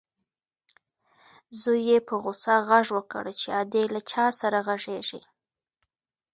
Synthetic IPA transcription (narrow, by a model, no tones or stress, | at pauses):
zujepəɣʊsaɣaʐwəkə̰ɽət͡ʃead̪elat͡ʃɑsaɾaɣaʐeʒi